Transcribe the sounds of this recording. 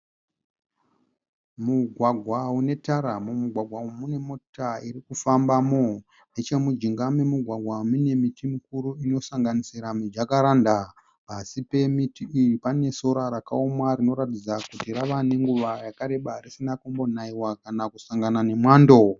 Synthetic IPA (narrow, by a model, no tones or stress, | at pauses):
muɡʱwaɡʱwaune̞taɾamomuɡʱwaɡʱwaumune̞mo̞taiɾikufambamo̞ | net͡ʃe̞mud͡ʒiŋɡamemuɡʱwaɡʱwamine̞mitimukuɾuino̞saŋɡanisiɾamid͡ʒakaɾaːnda | asipe̞mitiiripane̞so̞ɾaɾakaomwarino̞ɾatid͡zakutiɾaʋane̞ŋɡuʋajakaɾe̞ɓarisinakombo̞naiwakanakusaŋɡanane̞mwaːndo̞